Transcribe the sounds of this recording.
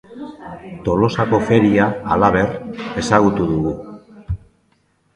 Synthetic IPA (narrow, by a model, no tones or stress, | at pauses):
t̪o̞lo̞sako̞fe̞ɾiaːlaβe̞re̞saɣ̞ut̪uðuɣu